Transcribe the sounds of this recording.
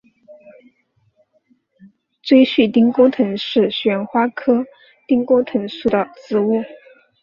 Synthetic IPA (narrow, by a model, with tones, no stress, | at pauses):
t͡swe˥ɪɕy˥˩t̪i˥ŋko˥ʊt̪ʰɤ˧˥ŋʂɻ̩˥˩ɕɥɛ˧˥nxwa˥kʰɤ˥ | t̪i˥ŋko˥ʊt̪ʰɤ˧˥ŋʂu˥˩d̪ə˩t͡sɹ̩˧˥u˥˩